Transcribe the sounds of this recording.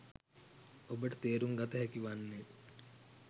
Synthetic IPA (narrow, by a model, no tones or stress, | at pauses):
obəʈət̪eːɾuŋɡat̪əɦɛkiʋanːe